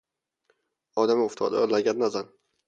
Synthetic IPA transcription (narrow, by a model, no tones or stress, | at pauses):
ɒd̪amʊft̪ʰɒ̰d̪a̰ɒlaɡʲad̪nazan